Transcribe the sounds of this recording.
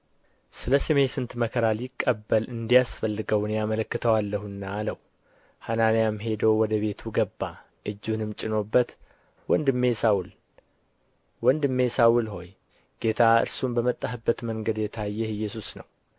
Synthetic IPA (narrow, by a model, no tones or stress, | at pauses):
sɨləsemesɨnt̪məkʰəɾaljɪkʼːəbːəlɨnd̪ijasfəlːɨɡəwnjamələkːɨt̪ʰəwalːəhuɨnːaːləw | hanamijamɦe̞d̪əwwɔd̪əβe̞t̪ʰuɡəbːa | ʔɨd͡ʒːunɨmt͡ʃʼɪno̞bːət̪ | wɔnd̪ɨmːesawl | wɔnd̪ɨmːesawulɦo̞j | ɡ̥e̞t̪ʰaɨ̰ɾsumbəmət̪ʼːaɦɨbːət̪məŋɡəd̪jɛt̪ʰajːɛhjɛsusnəw